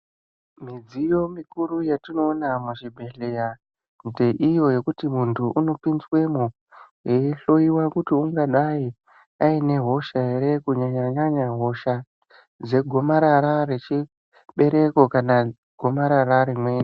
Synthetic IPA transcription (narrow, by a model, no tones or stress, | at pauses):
mid͡zijo̞mikuɾujatino̞ːnamuʐibʱe̞ɬeja | nde̞ʔijo̞je̞kutimuntʰuʔuno̞pinswe̞mu | jeiɬo̞iwakutiuŋɡaɗai | aine̞ɦo̞ʃae̞ɾe̞kuɲaɲaɲaɲaɦo̞ʃa | d͡ze̞ɡʱo̞maɾaɾaɾe̞t͡ʃi | ɓe̞ɾe̞ko̞kana | ɡ̥ʱo̞maɾaɾaɾemwe̞ːni